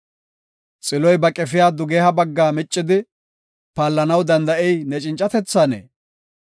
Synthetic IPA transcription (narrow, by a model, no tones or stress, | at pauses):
t͡sʼɪlɔjbɐkʼɛfɪjaːd̪ʊɡehɐbɐɡːaːmɪt͡ʃʼːɪd̪ɪ | paːlːɐnɐwd̪ɐnd̪ɐʔɛjnɛt͡ʃʼɪnt͡ʃʼɐt̪ɛt͡sːanḛː